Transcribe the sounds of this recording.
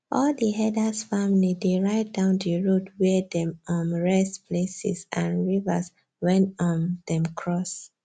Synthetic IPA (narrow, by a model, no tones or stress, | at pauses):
ʔɔldiɦɛdasfamilideɹaɪt̚dãʊ̃ndiɹodwɛdɛ̃mɔ̃nɹɛspʰlesḭsʔãnɹiva̰s | wɛ̃ntɔ̃ndɛ̃mkʰɹɔs